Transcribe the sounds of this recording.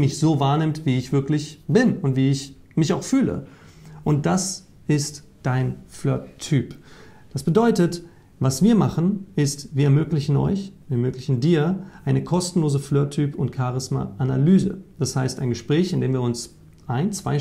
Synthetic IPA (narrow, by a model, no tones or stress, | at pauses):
mɪçz̥oːvaːɐnɪmtv̥iːɪçv̥ɪɐklɪçb̥ɪnʊntv̥iːɪç | mɪçaʊxfyːlə̰ | ʔʊnt̚d̥as | ʔɪst | d̥aɪnflœɐtʰːyːpd̥asb̥ədɔʏtət | vasv̥iːɐmaχn̩ʔɪstviːɐɛɐmøːklɪçn̩ʔɔ̰ʏçviːɐɛɐmøːklɪçn̩diːɐʔaɪnəkʰɔstn̩loːzəflœɐtʰːyːpʊntkʰaʁɪsma̰ʔanalyːzə̰d̥ashaɪstaɪnɡəʃpʁ̥ɛːçɪndeːmviːɐʊns | ʔaɪnt͡sv̥aɪ